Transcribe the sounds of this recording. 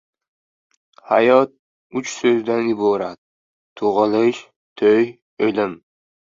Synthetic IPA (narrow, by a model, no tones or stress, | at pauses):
ha̰jɒt̪̚ | ʊt͡ʃsɵzd̪anɪbɒɾat̪̚ʰː | ʊʁɨlˠɪʃ | t̪ʰøj | ølɪm